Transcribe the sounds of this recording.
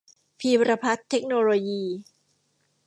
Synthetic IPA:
pʰiː˧ɾa˧pʰa˦˥t̪ʰːe˦˥k̚noː˧loː˧jiː˧˩

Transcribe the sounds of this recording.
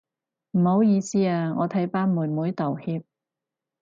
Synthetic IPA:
m̩˨˩ho˨˧˥wjiː˨˧siː˥aː˧ŋɔː˨˧t̪ʰɐ˨˥jpaː˥nmuː˨˩nmuː˨˥jt̪o˨˩whiː˧p̚

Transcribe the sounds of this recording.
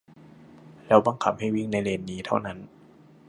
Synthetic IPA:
lɛː˦˥wba˧˩ŋkʰa˧˦˥p̚ha˥˩jwi˥˩ŋna˧˥jleː˧nːiː˦˥t̪ʰa˥˩wna˦˥n

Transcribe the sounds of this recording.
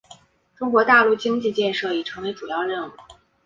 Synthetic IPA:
ʈ͡ʂʊ˥ŋkwɔ˧˥t̪a˥˧lu˥˩t͡ɕi˥ŋt͡ɕi˥˧t͡ɕjɛ˥˧nʂɤ˥˩i˨˩ʈ͡ʂʰɤ˧˥ŋwe˧˥ʈ͡ʂu˨˩jɑ˥˧ʊɻə˥˩nu˥˩

